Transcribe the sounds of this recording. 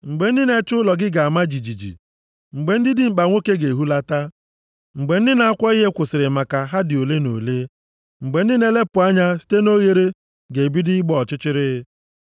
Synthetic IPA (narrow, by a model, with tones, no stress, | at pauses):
ŋ͡m̩˨ɡ͡be˨n̩˦dɪ˦ne˦t͡ʃʊ˦lɔ˨ɡɪ˦ɡa˨a˨ma˦d͡ʒi˨d͡ʒi˨d͡ʒḭ˨ | ŋ͡m̩˨ɡ͡be˨n̩˦dɪ˦dɪ˦m̩˨k͡pa˨ŋʷo˦ke˦ɡe˨ɦu˦la˦ta˦ | ŋ͡m̩˨ɡ͡be˨˦n̩˦dɪ˦na˨˦a˦kʷɔ˦i˦ɦe˦kʷʊ˨sɪ˨ɾɪ˨ma˨ka˨ɦa˦dɪ˨o˨le˦no̰˨le˦ | ŋ͡m̩˨ɡ͡be˨n̩˦dɪ˦ne˦le˦pʊ˨a˦ɲa˦si̥˦te˦no˦ɣe˦ɾe˦ | ɡe˨bi˦dɪ˦ɪ˦ɡ͡bɔ˦ɔ˨t͡ʃɪ˦t͡ʃɪ˦ɾɪ˦